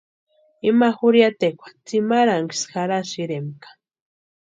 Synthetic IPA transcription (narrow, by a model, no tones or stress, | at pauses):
imaxuɾjat̪ekʷḁt͡simaɾaŋki̥sxaɾasiɾemkḁ